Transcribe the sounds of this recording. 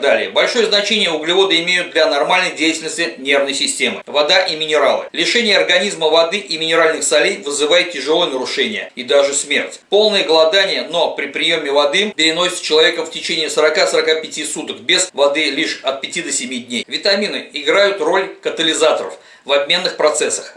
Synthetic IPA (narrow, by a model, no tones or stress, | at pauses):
d̪alʲɪjəbɐlʲʂo̞jəznɐt͡ɕenʲɪjəʊɡlʲɪvo̞d̪ɨɪmʲejʊt̪̚d̪lʲɐnɐrmalʲnəjdʲejɪtʲɪlʲnəsʲt̪ʲɪnʲe̞rvnəjsʲɪsʲtʲe̞mɨ̰vɐd̪aʔimʲɪnʲɪɾalˠɨ̰lʲɪʂɛnʲɪjəɐrɡɐnʲizməvɐd̪ɨʔimʲɪnʲɪɾalʲnɨxsɐlʲejvɨzɨvajɪt̪̚ʲtʲːɪʐɨlˠojənəɾʊʂɛnʲɪjə̰id̪aʐɨsmʲḛrtʲpo̞lˠnəjəɡəlˠɐd̪anʲɪjəno̞pɾʲɪpɾʲɪjo̞mʲɪvɐd̪ɨpʲɪɾʲɪno̞sʲɪ̥t̪t͡ɕːɪlˠɐvʲe̞kəftʲɪt͡ɕenʲɪːsəɾɐkasəɾɐkapʲɪtʲisut̪əkbʲez̥vɐd̪ɨlʲiʂɐt̪̚pʲɪtʲid̪əsʲɪmʲidʲnʲejvʲɪt̪ɐmʲinɨɪɡɾajʊt̪ro̞lʲkət̪əlʲɪzat̪əɾə̰f | vɐbʲmʲe̞nːɨxpɾɐt̪sɛsːə̥x